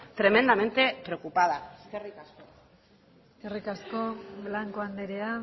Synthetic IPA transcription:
t̪ɾe̞me̞nd̪ame̞nt̪e̞pɾeokupað̞aeskerikasko̞ | skerikasko̞βlaŋkoand̪eɾea

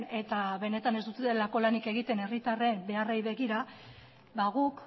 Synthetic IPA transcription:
ne̞t̪aβe̞ne̞t̪ane̞zd̪ut̪eðelako̞lanike̞ɣit̪e̞ne̞rit̪are̞mbe̞arejβe̞ɣiɾa | βaɣ̞uk

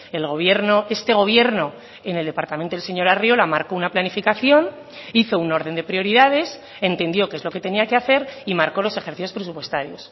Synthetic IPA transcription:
e̞lɣ̞o̞βje̞ɾnoe̞st̪e̞ɣ̞o̞β̞je̞ɾno̞ | eneld̪e̞paɾt̪amẽ̞nt̪oelse̞ɲo̞ɾarjo̞lamaɾkounaplanifikaθjo̞n | iθo̞uno̞ɾð̞e̞nd̪epɾjo̞ɾiðaðe̞s | e̞nt̪e̞nd̪jo̞kezloke̞t̪e̞niakeaθe̞ɾimaɾko̞lo̞se̞xeɾθiθjo̞spɾe̞supwe̞st̪aɾjo̞s

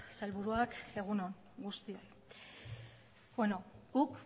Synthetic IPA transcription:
salβuɾuake̞ɣ̞unoŋ | ɡust̪ioj | bweno̞ɡuk

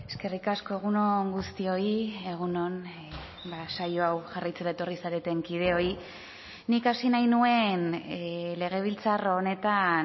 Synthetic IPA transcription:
e̞ske̞rikasko̞e̞ɣ̞uno̞ŋɡust̪io̞ie̞ɣ̞uno̞n | basajoawʝarajt͡seɾaet̪o̞risaɾet̪e̞ŋkið̞e̞o̞i | nikasinajnue̞n | le̞ɣ̞e̞β̞ilt͡sarone̞t̪a

